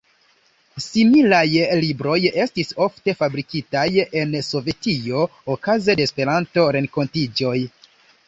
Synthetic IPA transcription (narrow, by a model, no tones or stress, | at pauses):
similajlibɾo̞je̞stiso̞fte̞fabɾikitaje̞nso̞ve̞tio̞ːkaze̞despe̞ɾanto̞ɾe̞ŋko̞ntid͡ʒo̞j